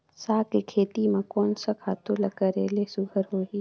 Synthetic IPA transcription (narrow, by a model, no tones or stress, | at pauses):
saːkekʰeːt̪imãkoːnsakʰaːt̪olɐkəɾḛːlesʊɡʱəɾɦoːɦiː